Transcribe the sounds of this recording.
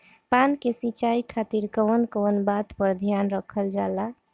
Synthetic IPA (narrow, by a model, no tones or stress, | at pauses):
pankesit͡ʃaikʰat̪iɾkənkonbat̪pəɾd̪ʱjanɾəkʰəld͡ʒala